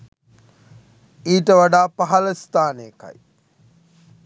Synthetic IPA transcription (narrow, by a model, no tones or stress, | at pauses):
iːʈəʋaɖaːpaɦaləst̪aːneəka̰j